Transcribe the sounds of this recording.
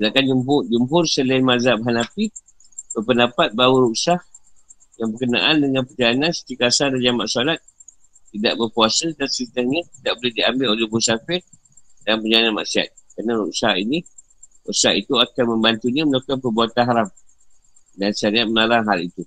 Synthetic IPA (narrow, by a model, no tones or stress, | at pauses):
səlakand͡ʒumpʊd͡ʒumɦʊrsəlanmazabɦanapi | b̥əpəndapat̪̚bauɾuʔsah | jaŋbərkəna̰ʔandəŋãnpəd͡ʒaanansə̥t̪ikasadad͡ʒamaʔsalat̪̚ː | idaʔbərkuasədansɾit̪ahɲət̪idaʔbolɛhdiambɪlolɛhbusafɪr | danpəd͡ʒalananma̰ʔsia̰t̪̚kanaɾṵʔsahini | ɾṵʔsahit̪uakanməmbant̪uɲamənakanpəbuat̪anɦaɾam | dansaɾiat̪̚məlalaŋɦalit̪u